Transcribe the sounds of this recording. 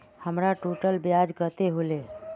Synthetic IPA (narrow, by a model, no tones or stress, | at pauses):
həmɾaʈoʈəlbjad͡ʒɡət̪eɦole